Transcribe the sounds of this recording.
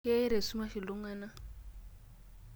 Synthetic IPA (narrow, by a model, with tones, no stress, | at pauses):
ɪ˦a˦i˦ɾe˨su˦ma˦ʃi˨lʊ˦ŋaː˦na˦